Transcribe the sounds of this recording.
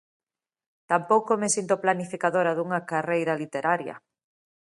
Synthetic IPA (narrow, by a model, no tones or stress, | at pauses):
t̪ampowkomesint̪oplanifikaðoɾɐðuŋɐkarejɾɐlit̪eɾaɾjɐ̰